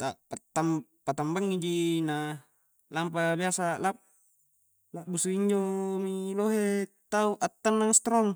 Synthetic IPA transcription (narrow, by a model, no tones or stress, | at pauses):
t̪aʔpat̪ːampat̪ambaŋːid͡ʒina | lampabiasalap̚ | laʔbusuiɲd͡ʒomiloɦe | t̪auʔat̪ːanːaŋst̪ɾɔŋ